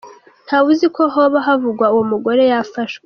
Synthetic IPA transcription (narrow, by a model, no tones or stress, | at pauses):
n̥haβuzikʰo̞ɦoβaɦavuɡwauwomuɡo̞ɾe̞jafaʃwwe